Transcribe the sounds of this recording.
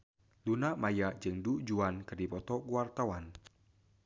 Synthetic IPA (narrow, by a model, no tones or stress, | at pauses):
lunamajaʔd͡ʒɨŋdud͡ʒuankɨrdipɔt̪ɔkuwart̪awan